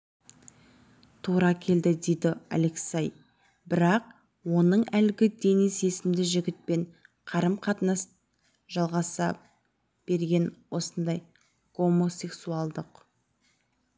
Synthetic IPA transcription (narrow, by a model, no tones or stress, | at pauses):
t̪ʰuɾɑkʲʰe̞ld̪ɪd̪e̞jd̪ɪa̰le̞ksɑj | bɪɾɑq̚ | wo̞nəɴælɡʲɪd̪e̞nijse̞sɪmd̪ɪʒɪɡʲɪt̪̚pe̞ɴ | qʰɑɾəmqʰɑt̪nɑs | ʒ̥ɑlˠʁɑsɑ | b̥e̞ɾɡʲe̞nwo̞sənd̪ɑj | ɡ̥o̞mo̞se̞ksualˠd̪əq